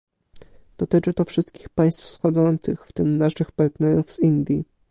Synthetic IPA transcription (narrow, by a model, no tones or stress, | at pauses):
d̪̥ɔt̪ɘt͡ʂɘt̪ɔfʂɘst̪̚kʲixpaj̃st̪fsxɔd̪zɔnt̪sɘxft̪ɘmnaʂɘxpaɾt̪nɛɾuvz̥ind̪ʲji